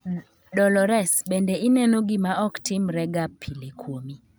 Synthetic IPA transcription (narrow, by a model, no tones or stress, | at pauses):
dɔlɔɾɛsbendeinɛnoɡɪmaɔktɪmɾɛɡapʰːilekʰwomi